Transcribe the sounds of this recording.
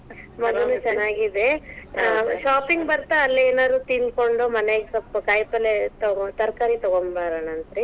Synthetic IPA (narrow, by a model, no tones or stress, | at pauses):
mɐɡ̪ɐnːut͡ʃɛnːaːɡid̪e | ʃaːpiŋɡbɐɾt̪aːlːeːnaːd̪ɾuːt̪inkoɳɖoːmɐneɡesɐpːkɐjpɐlet̪ɐɡt̪ɐɾkaːɾit̪ɔɡoɳbaːɾaːnɐnt̪ɾi